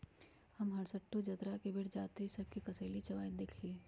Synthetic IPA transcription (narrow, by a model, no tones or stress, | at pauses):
hɐmɦɐɽsəʈːod͡ʒɐt̪ɾakebɪɽd͡ʒaːt̪ɾisɐb̚kikɐseːlit͡ʃɐʋaːjd̪eːkʰlieː